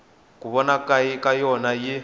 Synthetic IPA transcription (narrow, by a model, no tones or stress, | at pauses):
kuβɔnakʼaikʼajɔnajɪ